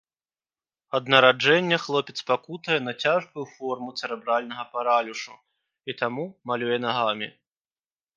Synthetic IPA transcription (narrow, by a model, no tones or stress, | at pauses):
ɐd̪nɐɾad͡ʐɛnʲːɛxlˠɔpʲɛt̪spakut̪ɐjɛnɐt͡sʲaʐbujufɔrmut̪sɛɾɛbɾalʲnɐɣɐpaɾalʲuʂu | it̪amumalʲujɛnaɣamʲḭ